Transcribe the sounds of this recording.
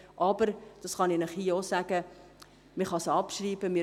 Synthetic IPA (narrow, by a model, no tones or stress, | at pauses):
ʔɑb̥əɾd̥ɑsχɑninəχhiːosæɡ̥ə | miχɑsɑpʃriːbəmɪ